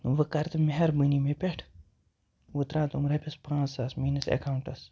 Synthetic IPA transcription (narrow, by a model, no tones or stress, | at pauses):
ʋɐkɐɾt̪ɨmeɦɐɾbɨnimepʲeʈʰ | ʋut̪ɾãːt̪umɾɐpʰʲespãːsɐsmiːnɐsḛkauɳʈɐs